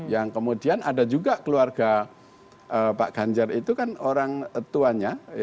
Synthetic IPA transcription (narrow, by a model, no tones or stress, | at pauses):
jaŋkəmudianadad͡ʒuɡakəluarɡ̥a | əpa̰ʔɡ̥aɲd͡ʒarit̪ukanoɾaŋət̪uaɲa